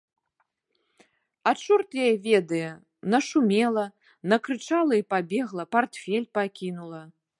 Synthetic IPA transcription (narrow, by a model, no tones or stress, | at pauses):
aʂurt̪jajɛvʲɛd̪ɐjɛ | nɐʂumʲɛlˠɐ | nɐkɾɨt͡ʂalˠɐipabʲɛɣlˠɐpart̪fʲɛlʲpakʲinulˠɐ